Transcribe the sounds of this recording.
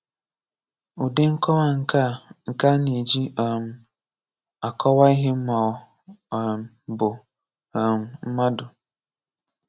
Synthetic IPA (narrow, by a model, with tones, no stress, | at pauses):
u˨de˦ŋ̩˦kɔ˦wa˦ŋ̩˨ka˦ŋ̩˨ka˦ni˨d͡ʒi˦ɔ˨m̩˨ | a˨kɔ˦wa˦i˦ɦɪ˦m̩˦ma˨ | m̩˨bʊ˨ | m̩˨m̩˦ma˦dʊ˨